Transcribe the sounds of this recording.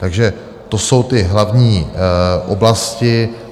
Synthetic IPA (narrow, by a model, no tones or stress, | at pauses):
t̪aɡʒɛ | t̪o̞sowt̪ɪɦlavɲiːʔoblascɪ